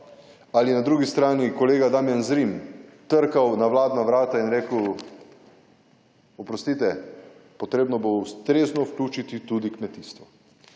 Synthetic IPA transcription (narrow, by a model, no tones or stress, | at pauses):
alinad̪ɾuɡist̪ɾaːnikoleːɡad̪aːmjanzɾimt̪əɾkawnaʋlaːd̪naʋɾaːt̪ainɾeːkəw | ɔpɾɔst̪it̪ɛpɔt̪ɾeːbnɔboust̪ɾeːznɔwklʲuːt͡ʃit̪it̪ud̪ikmɛt̪iːst̪ʋɔ